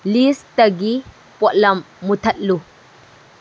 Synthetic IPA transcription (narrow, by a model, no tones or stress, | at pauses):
list̪ɐɡi | pʼɔʔlɐmːut̪ʰɐtlu